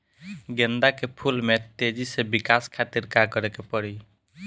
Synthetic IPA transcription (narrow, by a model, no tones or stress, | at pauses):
ɡend̪akepʰulmet̪ed͡ʒisebikaskʰat̪iɾkakəɾɛkepəɽi